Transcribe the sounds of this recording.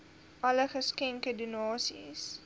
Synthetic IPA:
ʔɐləχəskɛŋkədunɑːsis

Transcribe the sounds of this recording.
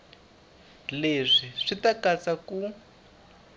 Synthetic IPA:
leʂiʂitakat͡saku

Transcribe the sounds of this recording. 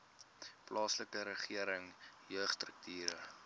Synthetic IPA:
plɑːsləkəɾəχiəɾəŋjœːχstrək̚tʰiːɾə

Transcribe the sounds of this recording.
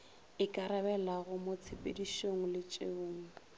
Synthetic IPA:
ɪkʼaɾabɛlaɣʊmot͡sʰepʼediʃoŋ̩lɪt͡ʃʼḛoːŋ̩

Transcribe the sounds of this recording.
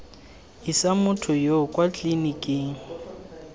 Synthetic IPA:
isamʊtʰʊjokʼwat͡ɬʼinikʼeːŋ̩

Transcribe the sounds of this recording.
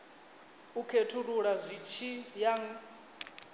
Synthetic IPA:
ukʰetʰuɺuɺazʷit͡ʃʰijaŋ

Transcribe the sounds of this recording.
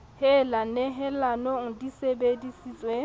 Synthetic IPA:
hɪlaneɦɪlanoŋ̩disebedisiːsʼwe

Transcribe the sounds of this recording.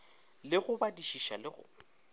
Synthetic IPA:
lɪɣʊbadiʃiʃa̰lɪɣʊ̰

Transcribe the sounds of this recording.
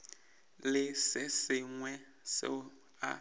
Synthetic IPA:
lɪsɪsɪŋwɛ | sɪ̰ | a̰

